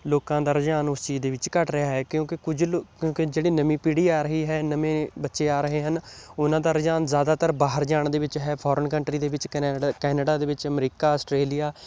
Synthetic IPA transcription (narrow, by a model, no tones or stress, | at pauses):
loːkãːd̪aːɾəd͡ʒaːnʊst͡ʃiːd̪eːʋɪt͡ʃkəʈɾɪɦaːɦɛːkjõːkɪkʊd͡ʒkjõːkɪd͡ʒeːɽiːnəmĩːpiɽiːaːɾəɦiːɦɛːnəmẽːbətːʃeːaːɾəɦeːɦənʊnãːd̪aːɾəd͡ʒaːnzjaːd̪aːt̪əɾbaːɦəɾd͡ʒaːɳd̪eːʋɪt͡ʃɦɛːpʰɔːɾəɳkəɳʈɾiːd̪eːʋɪt͡ʃkɛːnəɖaːd̪eːʋɪt͡ʃəmɾiːkaːəsʈɾeːlijaː